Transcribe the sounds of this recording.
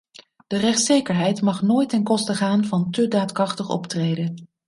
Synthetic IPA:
d̥ərɛχtsejkəɹɦɛjtmɑχnoːjtɛnkɔstəχaːnvɑntɵdaːtkɑχtəχɔ̰ptrejdən

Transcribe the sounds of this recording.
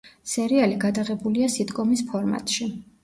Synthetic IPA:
sɛɾialiɡad̪aʁɛbuliasit̪kʼɔmispʰɔɾma̰t̪ʼʃi

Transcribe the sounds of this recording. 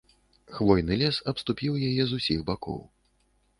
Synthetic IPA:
xvɔjnɨlʲɛsɐpst̪upʲiwjajɛzusʲiɣbakɔ̰w

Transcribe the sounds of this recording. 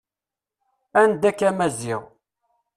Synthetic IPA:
ænd̪ækːæmæziʁ

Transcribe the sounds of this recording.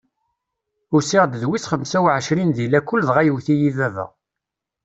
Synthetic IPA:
ʊsiʁd̪ðwisχəmsæwʕəʃɾinðilækːʊlðʁajəwθijiðæðæ̰

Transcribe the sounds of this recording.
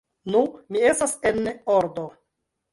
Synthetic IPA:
numie̞sasenoɾdo

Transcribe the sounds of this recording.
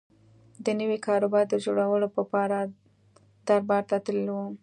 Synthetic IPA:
d̪ənəwikɑɾobɑɾd̪əd͡ʒoɽawəlopəpɑɾa | d̪̥aɾbɑɾt̪at̪əlwu

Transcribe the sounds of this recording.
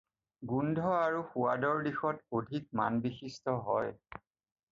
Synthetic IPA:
ɡundʱɔaɹuxuwadɔɹdixɔtodʱik̚ma̰nbixistɔɦɔj

